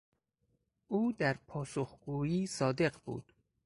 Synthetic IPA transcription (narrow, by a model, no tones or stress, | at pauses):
ʔuːd̪æɾpʰɒːsoxɡ̥uːjiːsɒːd̪e̞ɢbṵːd̪̥